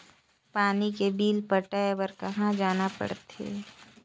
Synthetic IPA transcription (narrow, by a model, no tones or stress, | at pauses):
paːnikebiːlpəʈaːebəɾkɐɦãd͡ʒaːnapə̰ɽt̪ḛː